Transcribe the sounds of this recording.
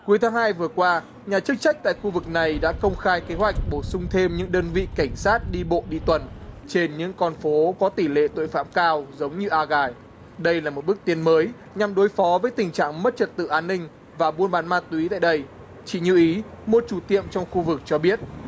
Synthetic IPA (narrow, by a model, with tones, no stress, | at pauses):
ku˨˦əjt̪ʰːŋhaː˧jvɨ˨˩əkwaː˧ | ɲaː˨˩t͡ɕɨ˦˥k̚t͡ɕa˦˥k̟̚t̪a̰ː˧˨jxu˧vɨ˨˩k̚na˨˩jɗa̰ː˧˥kə˧wŋ͡mxaː˧jke˨˦ɦwa˨˩jk̟̚ɓo˧˩sʊ˧ŋ͡mt̪ʰe˧mɲɨ̰˧˥ŋɗəː˧nvḭ˧˨ka˧˩jŋ̟saː˦˥t̚ɗi˧ɓo̰˧˨ɗḭ˧˨t̪wə˨˩nt͡ɕe˧nɲɨ̰˧˥ŋkɔ˧nfo˨˦kɔ˨˦t̪i˧˩lḛ˧˨t̪o̰˧˨jfa̰ː˧˨mkaː˧wzə˨˦wŋ͡mɲɨ˧ʔaː˧ɣaː˨˩j | ɗə˧jlaː˨˩mo˨˩t̚ɓk̚t̪i˨˦ənməː˨˦j | ɲa˨˩mɗo˨˦jfɔ˨˦vəː˨˦jt̪ï˨˩ŋ̟t͡ɕa̰ː˧˨ŋmə˦˥t̚t͡ɕə˨˩t̚t̪ɨ̰˧˨ʔaː˧nːï˧ŋ̟ | vaː˨˩ɓu˧ənɓaː˨˦nmaː˧˥t̚t̪wi˨˦t̪a̰ː˧˨jɗə˧j | t͡ɕḭ˧˨ɲɨ̰˧ʔi˨˦mo˨˩t̚t͡ɕu˧˩t̪ḭ˧˨əmt͡ɕɔ˧wŋ͡mxu˧vɨ˨˩k̚t͡ɕɔ˧ɓi˦˥ət̚